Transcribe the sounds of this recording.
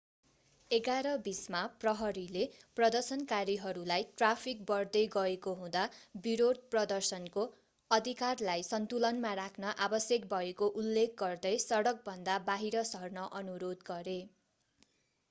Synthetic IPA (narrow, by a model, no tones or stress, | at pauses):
eɡaɾʌbismaprʌɦʌɾileprʌd̪ʌrsʌnkaɾiɦʌɾulajʈrapʰik̚bʌrd̪ʌjɡʌekoɦũd̪abiɾod̪̚prʌd̪ʌrsʌnko | ʌd̪ʱikarlajsʌnt̪ulʌnmarakʰnʌʔabʌsjʌk̚bʱʌekoʔulːek̚ɡʌrd̪ʌjsʌɽʌk̚bʱʌnd̪abaɦiɾʌsʌrnʌʔʌnuɾod̪ɡʌɾe